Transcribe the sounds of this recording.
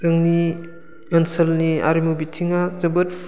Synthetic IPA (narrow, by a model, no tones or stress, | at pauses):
zɯŋni | ɐnsɐlnia̰ɾimubitʰiŋazɐbɯt̚